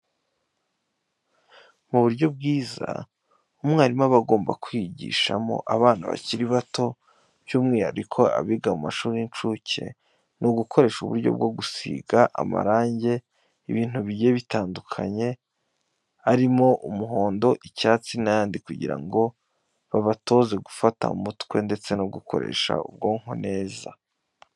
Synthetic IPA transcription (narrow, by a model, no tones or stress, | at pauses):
muβuɾɟo̞b̚ɡiːza̰ | umŋaːɾimaβaɡo̞ːmbakwiɟḭːʃamo̞̰ʔaβaːna̰βa̰ciɾiβato̞ | b̥juːmŋiːha̰ɾikʰo̞a̰βiɡamumaʃuːɾint͡ʃuce̞̰ | nʔuɡukʰo̞ɾe̞ːʃuβṵɾɟo̰b̚ɡo̞ɡusḭːɡaʔa̰ma̰ɾaːɲɟe̞ | iβiːn̥huβiɟe̞βitaːndukʰaɲe̞ | aɾimo̞ʔumuɦo̞ːndo̞ʔicaːt͡sinajaːndikuɟḭɾa̰ŋɡo̞ | βaβato̞ze̞ɡufata̰ṵmutkwe̞nde̞t͡se̞noɡukʰo̞̰ɾe̞̰ʃa̰ṵb̚ɡo̞ːŋ̥ho̞̰ne̞ːza